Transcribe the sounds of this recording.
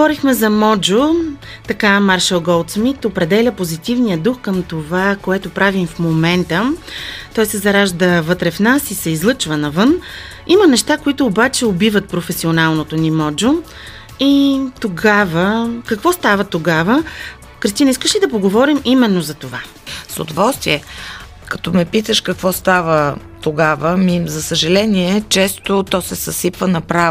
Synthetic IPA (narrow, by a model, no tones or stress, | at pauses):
ɡovɔɾixmɛzɐmɔd͡ʒo | t̪ɐkamaɾʃɛlˠɡɔlˠt̪smit̪opɾɛd̪ɛlʲəpozit̪ivnijəd̪uxkəmt̪ovakoɛt̪opɾavimfmomɛnt̪ət̪ɔjsɛzɐɾaʒd̪əvɤt̪ɾɛfnasisɛizlˠɤt͡ʃvənɐvɤn | imənɛʃt̪akoit̪ʊːbat͡ʃɛobivət̪̚pɾofɛsionalˠnot̪onimɔd͡ʒo | it̪oɡavəkɐkvɔst̪avət̪oɡavə | kɾəst̪inəiskəʃlid̪ɐpoɡovɔɾimimɛnːozɐt̪ova | sʊ̰d̪ovɔlˠst̪viɛ | kɐ̥t̪ɔmɛpit̪əʃkɐkvɔst̪avə | t̪oɡavəmizɐsəʒɐlɛniɛt͡ʃɛst̪ot̪ɔsɛsɐsipvənɐpɾavo